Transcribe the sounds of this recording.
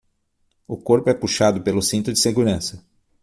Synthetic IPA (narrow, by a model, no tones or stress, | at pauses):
ʊkoɾpʊɛpuʃad̪ʊpelʊsĩnt̪ʊd͡ʒɪseɡuɾɐ̃sɐ